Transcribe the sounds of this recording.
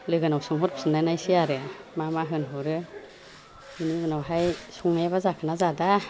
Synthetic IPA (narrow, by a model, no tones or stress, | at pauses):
lɯɡɯnawsɯŋɦɔɾpʰi̥sɯnːajnajsiaɾɯmamaɦɯnɦɔɾɯ | iniɡɯnawɦajsuŋajβazakʰɯnazada